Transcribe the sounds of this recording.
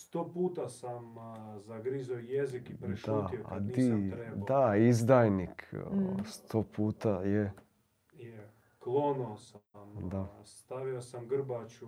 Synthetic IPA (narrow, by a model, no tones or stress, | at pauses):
st̪oːpuːt̪asamzaɡɾizojezikipɾeʃautioa̰d̪iied̪aizd̪ajnikst̪ʰopʰuːt̪aje | je | klˠonosamd̪ast̪aʋiosamɡr̩bat͡ʃu